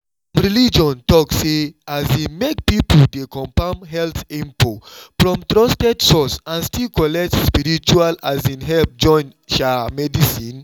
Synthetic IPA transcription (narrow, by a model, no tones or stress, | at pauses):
ɹilid͡ʒɔ̃ntɔkseazĩnmek̚pipoldekʰɔ̃mpãmɦɛlθɛ̃mpʰofɹɔ̃mt̪ɹɔstɛdsɔsãnstilkɔlɛk̚tspiɹit͡ʃualazĩnɦɛlp̚d͡ʒɔ̃nʃamɛdisĩn